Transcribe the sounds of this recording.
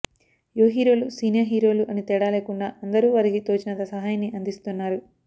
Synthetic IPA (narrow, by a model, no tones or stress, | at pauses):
joːɦiːɾo̞ːlusiːnjaːɦiːɾo̞ːluʔɐnit̪ɛːɽaːleːkuɳɖaːɐnd̪ɐɾuːʋɐɾiɡit̪oːt͡ʃinɐt̪ɐsɐɦaːjɐnːiʔɐnd̪ist̪unːaːɾu